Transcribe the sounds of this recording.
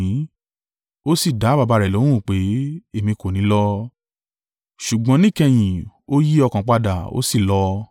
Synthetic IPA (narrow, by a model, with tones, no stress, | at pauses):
o˦si˦˨da˨˦ba˧ba˧ɾɛ˨lõ˨˦ũ˦˨k͡pe˨˦e˦˨mĩ˧ko˨nĩ˨˦lɔ˦ | ʃu˨ɡ͡bɔ̃˨˦nĩ˦˨kɛ˧j̃ĩ˨o˦ji˦ɔ˧kã˨k͡pa˧da˨o̰˦si˦˨lɔ˧